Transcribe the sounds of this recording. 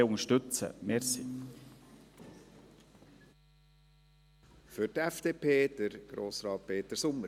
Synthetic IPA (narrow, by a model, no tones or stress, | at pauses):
ʊŋəʃtʏt͡sə̰mɛːɾsi | fʏɾtɛfd̥eːpʰeːd̥əɾɡ̥ɾo̰ːsɾɑːt̚peːt̪əɾsʊmə